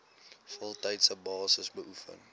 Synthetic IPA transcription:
fɔlˠtɛjtsəbɑːsəsbəʔufə̰n

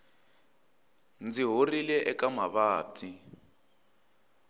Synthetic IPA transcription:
nd͡ziɦorilɛʔɛkamaβaːtʰi

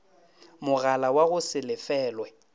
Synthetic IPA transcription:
mʊɣalawaɣʊsɪlɪfɛːlwɛ

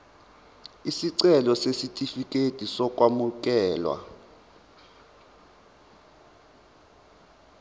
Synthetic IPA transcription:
isiǀɛlɔsesitʼifik̬ʼetʼisɔk̬ʼwamuk̬ʼɛːlwa̰

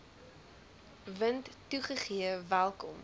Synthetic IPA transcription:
vəntːuχəχiəvælˠkɔm

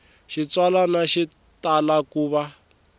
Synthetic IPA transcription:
ʃit͡swalanaʃi | talakuːβa

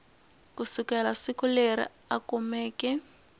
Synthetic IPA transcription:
kusikɛlasikʊleɾḭ | akumɛːkɛ

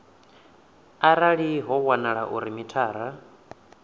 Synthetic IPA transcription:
aɾaɺiɦɔwanaɺaʔuɾimitʰaːɾa

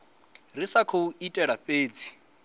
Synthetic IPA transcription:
risakʰouitʼɛɺaɸeːd͡zi̥

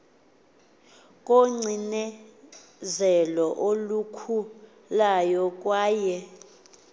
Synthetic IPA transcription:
kʼoŋ͡ǀʱinɛ | zɛlɔʔolukʰu | lajɔk̬ʼwaːjɛ

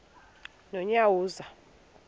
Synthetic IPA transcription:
nɔɲawuːza

